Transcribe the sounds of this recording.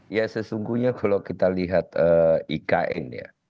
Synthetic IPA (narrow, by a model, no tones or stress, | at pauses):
jasəsuŋɡuhɲakʰalawkit̪aliɦat̪əːikaʔɛ̰nja̰